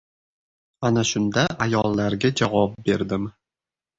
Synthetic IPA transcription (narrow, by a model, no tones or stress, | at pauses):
anaʃʊnd̪aʔajɒlˠːaɾɡʲad͡ʒavɒp̚be̞ɾd̪ɪm